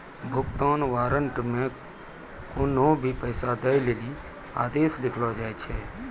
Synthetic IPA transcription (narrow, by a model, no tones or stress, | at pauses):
bʱʊkt̪aːnʋaːɾəɳʈmẽ | koːnõbʱipəːsad̪əjleːli | a̰ːd̪eːslɪkʰlad͡ʒaːɛt͡ʃʰɛː